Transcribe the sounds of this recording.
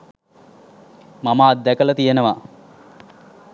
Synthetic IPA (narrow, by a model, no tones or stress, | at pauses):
mamaːd̪ːækələt̪ijenəʋa